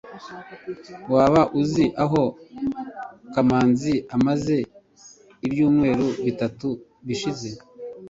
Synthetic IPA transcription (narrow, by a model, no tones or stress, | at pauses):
waːβaʔuziʔaɦo̞ | kamaːnziamaze̞ | ibjuːmŋe̞ːɾuβitatu | βiʃize̞